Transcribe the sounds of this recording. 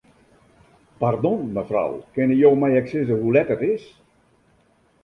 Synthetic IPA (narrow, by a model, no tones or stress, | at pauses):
pardɔnməfra̰wkɪnəjoːmɛjɛksɪzəhulɛtətɪs